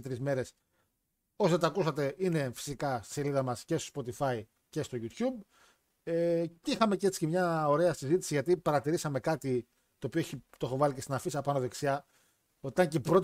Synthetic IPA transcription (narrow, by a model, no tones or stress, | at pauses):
t̪ɾizme̞ɾe̞s | osðet̪ɐkusɐt̪e̞ʔine̞fi̥sikɐst̪i̥se̞liðɐmɐsce̞st̪o̞spo̞t̪ifɐi | ce̞st̪o̞ʝut̪çub̚ | eceixɐme̞cee̞t͡si̥cemɲɐo̞ɾe̞ɐsizit̪i̥siʝɐt̪ipɐɾɐt̪iɾisɐme̞kɐt̪i | t̪oːpioeçit̪oexo̞vɐlicesinɐfisiɐpɐnoðe̞ksiɐ | ot̪iɐɲcepɾot̪